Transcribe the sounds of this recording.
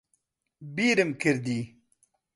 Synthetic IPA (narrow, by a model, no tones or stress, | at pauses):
biːɾɨmkʰɨɾd̪iː